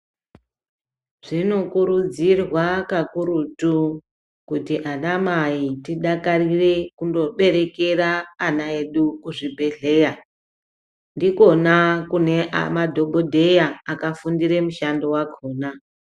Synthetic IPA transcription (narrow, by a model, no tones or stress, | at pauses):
ʐ̥ino̞kuɾud͡zirwakakuɾutu | kutiʔanamaitiɗakarire̞kundo̞ɓe̞ɾe̞ke̞raːnae̞ɗukuʐibʱe̞ɮe̞ja | ndiko̞nakune̞a̰madʱo̞ɓʱodʱe̞jaakafundire̞muʃando̞waɡʱoːna